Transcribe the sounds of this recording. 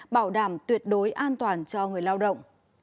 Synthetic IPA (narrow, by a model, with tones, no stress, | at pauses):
ɓaː˧˩wɗaː˧˩mt̪wi˨˩ət̚ɗo˨˦jʔaː˧nt̪waː˨˩nt͡ɕɔ˧ŋɨ˨˩əjlaː˧wɗə̰˧˨wŋ͡m